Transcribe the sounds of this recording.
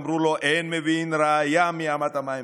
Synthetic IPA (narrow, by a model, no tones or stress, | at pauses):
mrulɔʔɛnmeβinɾajamiamat̪ʼamai